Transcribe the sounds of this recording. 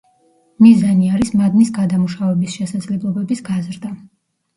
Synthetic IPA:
mizaniaɾismad̪nisɡad̪amuʃavɛbisʃɛsad̪zlɛblˠɔbɛbisɡazɾd̪a

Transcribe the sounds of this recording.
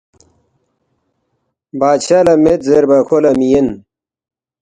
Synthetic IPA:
baːd̪ɕalɐmet̪zeɾbɐkʰolɐmijen

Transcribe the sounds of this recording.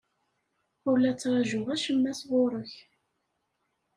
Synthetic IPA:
ʊɾlæt͡sːɾˤɑʒʊʁæʃəmːæsʁoɾˤəç

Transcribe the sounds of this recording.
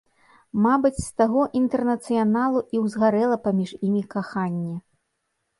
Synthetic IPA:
mabɨt͡sʲst̪aɣɔʔint̪ɛrnɐt̪sɨjanalˠuʔiwzɣaɾɛlˠɐpamʲiʂimʲikaxanʲːɛ

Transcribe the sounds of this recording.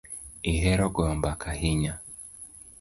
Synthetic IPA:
eɦɛɾɔɡɔmbakʰahɪɲa

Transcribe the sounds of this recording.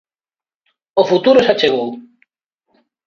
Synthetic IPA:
ofut̪uɾosat͡ʃeɣ̞ow

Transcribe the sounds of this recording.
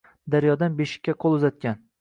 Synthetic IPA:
d̪aɾjɒd̪anbeʃɪ̥kʲːaqʰolˠʊzat̪̚kʲan

